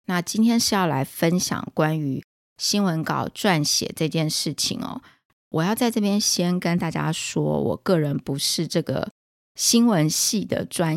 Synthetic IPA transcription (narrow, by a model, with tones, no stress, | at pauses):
na˥˨t͡ɕi˥nt̪ʰjɛ˥nʂɻ̩˥˧jɑ˥˩ʊla˧˥ɪfə˦˥nɕjɑ̰˨˩ŋkwa˦ny˧˥ | ɕi˥nwə˧˦˥nkɑ̰˨˩ʊʈ͡ʂwa˥˩nɕjɛ̰˨˩ʈ͡ʂɤ˥˧t͡ɕjɛ˥˧nʂɻ̩˥˩t͡ɕʰḭ˨˩ŋɐ̰˩ | wɔ˨˩jɑ˥˧ʊt͡sa˥˧ɪʈ͡ʂɤ˥˩pjɛ˥nɕjɛ˥nkə˦nt̪a˥˩t͡ɕja̰˦ʂwɔ̰˥wɔ̰˨˩kɤ˥˩ɻə˧˥npu˧˦ʂɻ̩˥˧ʈ͡ʂɤ˥˩ɡə̰˩ | ɕi˥nwə˧˦˥nɕi˥˩d̪ə̰˩ʈ͡ʂwa˥n